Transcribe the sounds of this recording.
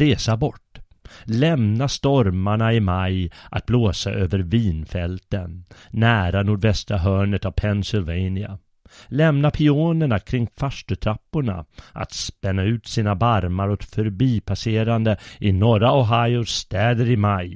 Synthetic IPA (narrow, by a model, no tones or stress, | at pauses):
ɾeːsabɔʈː | lɛmnast̪ɔɾmaɳaɪmajʔa̰t̪̚bloːsaʔøːvəɾviːnfɛlt̪ənːæːɾanʊɖvɛst̪ɾaɦœːɳət̪avpʰɛnsɪlvɛjnɪa̰ | lɛmnapʰɪoːnəɳakʰɾɪŋːfaʂʈɵt̪ʰɾapːʊɳa̰ʔa̰t̪spɛnːaʉ̟ːt̪siːnabaɾmaɾɔk̪fœɾbiːpʰaseːɾand̪əʔɪnɔɾaɔɦajʊʂt̪ɛːd̪əɾɪmaj